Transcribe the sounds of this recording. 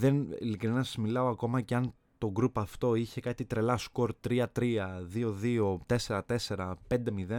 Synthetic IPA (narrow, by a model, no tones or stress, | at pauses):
ðenḭlikɾinɐsmilɐo̞ɐko̞mɐceɐn | t̪o̞ɡɾupɐft̪o̞içe̞kɐt̪it̪ɾe̞lɐsko̞ɾt̪ɾiɐt̪ɾiɐðio̞ðio̞t̪e̞se̞ɾɐt̪e̞se̞ɾɐpe̞nd̪emiðe